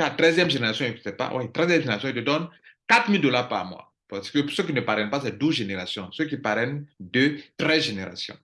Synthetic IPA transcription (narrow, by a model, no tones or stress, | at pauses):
at̪ʁɛzjɛmʒeneʁasjɔ̃isɛpa̰wʔɛ̰tʁɛzjɛmʒeneasjɔ̃itəd̪ɔnkat̪χmild̪olaʁpa̰ʁmwa̰ | pasə̥kəsøk̬ʲinəpaʁɛnpasɛd̪uʒeneʁasjɔ̃søk̬ipaʁɛnd̪øt̪ʁɛzʒeneʁa̰sjɔ̰̃